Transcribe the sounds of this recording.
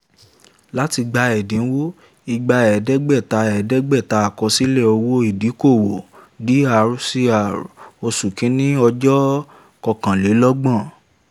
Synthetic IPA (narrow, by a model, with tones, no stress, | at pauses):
la˦ti˧ɡ͡ba˧ɛ˨dĩ˨˦wo˦ | i˧ɡ͡ba˧ɛ˨dɛ˦ɡ͡bɛ˦˨ta˧ɛ˨dɛ˦ɡ͡bɛ˦˨ta˧˦a˨kɔ˧˦si˦lɛ˦˨o˧wo˦i˦˨di˨˦ko˦˨wo˨di˦a˨ɾu˨˦si˦a˨ɾo˧su˨kĩ˨˦nĩ˦ɔ˧d͡ʒɔ˦ | kɔ˧kã˨le˨˦lɔ˦ɡ͡bã˦˨